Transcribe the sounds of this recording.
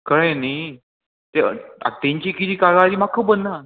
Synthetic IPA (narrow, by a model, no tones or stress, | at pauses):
kəɭẽni | t̪ḛa̰t̪ẽɲt͡ɕikit̪iːkaɡaːɾimakʰːəbənːa